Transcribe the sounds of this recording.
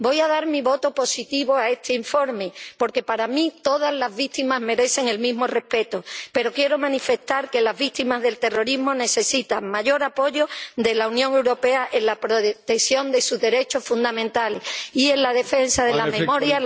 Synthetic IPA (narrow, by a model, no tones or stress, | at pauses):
bo̞jaðaɾmiβo̞t̪o̞po̞sit̪iβo̞ae̞st̪ʰeiɱfo̞ɾme̞po̞ɾke̞paɾamĩt̪o̞ðazlazβit̪imazme̞ɾe̞se̞ŋe̞lmizmo̞re̞hpe̞t̪ope̞ɾo̞kje̞ɾo̞mãnife̞st̪aɾke̞lazβikt̪imazðe̞lt̪e̞ro̞ɾizmo̞ne̞se̞sit̪aŋmaʝo̞ɾapo̞ʝo̞d̪e̞launjõŋe̞wɾo̞pe̞aʔenlapɾot̪eksjo̞nd̪e̞suzðe̞ɾe̞t͡ʃo̞sfũnd̪amẽnt̪alehie̞nlaðe̞fe̞nsaðelamemoɾja